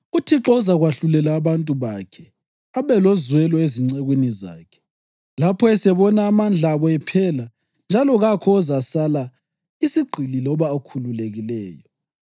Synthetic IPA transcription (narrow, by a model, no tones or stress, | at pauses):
utʰiǁɔzaɣwaɬulɛlaːβantʼuβakʰɛ | aβɛlɔzwɛlɔeziŋ͡ǀeɣwiniza̰ːkʰɛ̥ | lapʰɔɛsɛβɔnaːmand͡ɮʱaβɔɛpʰɛla | nd͡ʒʱalɔɣakʰɔːzasala | isiɡ͡ǃʱililɔβaːkʰululeɣilɛːjɔ